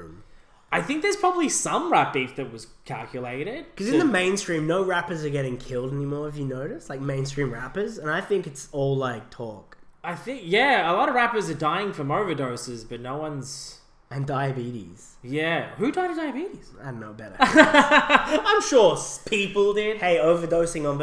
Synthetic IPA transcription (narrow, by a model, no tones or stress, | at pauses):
m | aɪθɪ̃ŋk̚ðə˞z̥pʰɹ̥ɑbəblisʌ̃mɹæp̚ifðɨt̚wʌz̥kʰælˠkjɨleɪɾɪd̥̚kʰʌzɨ̃nðəmẽɪ̃nstɹ̥ĩmnoʊɹæpə˞zə˞ɡɛɾɪ̃ŋkʰɪlˠdɛnimɔɹɨvjɨnoʊɾɨstlaɪk̚mẽɪ̃ns̬tɹ̥ĩmɹæpə˞zɨ̃ñaɪθɪ̃ŋkɨtsɔlˠlaɪk̚tʰɔkaɪθɪ̃ŋkjæəlɔɾʌvɹæpə˞zə˞daɪɪ̃ŋfɹʌ̃moʊvə˞doʊsɪzbʌtⁿnoʊwʌ̃nz̥ | ɨ̃ndaɪɨbiɾḭz̥ | jæhʉdaɪ̃ɾɨdaɪɨbiɾiz̥ɪdõnːoʊbɛɾə̰˞ | ãɪ̃mʃʊɹspʰipl̩ˠdɪd̚heɪoʊvə˞doʊsɪ̃ŋə̃nð